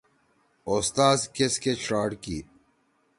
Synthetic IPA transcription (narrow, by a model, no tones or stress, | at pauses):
ost̪aːzkesket͡ɕɾaːɖkḭː